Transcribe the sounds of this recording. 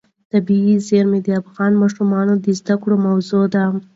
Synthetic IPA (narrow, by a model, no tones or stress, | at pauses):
t̪abiizeɾmed̪əafɣɑnmɑʃumɑnod̪əzd̪akɽomawzod̪a